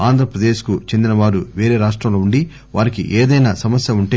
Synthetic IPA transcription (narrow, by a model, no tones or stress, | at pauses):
aːnd̪ʱɾɐpɾɐd̪eːʃkut͡ʃe̞nd̪inɐʋaːɾuʋeːɾe̞ːɾaːʂʈɾɐmlo̞ːuɳɖi | ʋaːɾikḭʔeːd̪ɐjnasɐmɐsjɐuɳʈeː